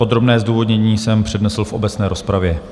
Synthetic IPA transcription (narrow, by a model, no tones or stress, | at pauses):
o̞d̪ɾo̞bnɛːzduːvo̞d̪ɲɛɲiːsɛmpr̝̥ɛdnɛsl̩fʔo̞̰bɛt͡snɛːɾʔo̞spɾavjɛ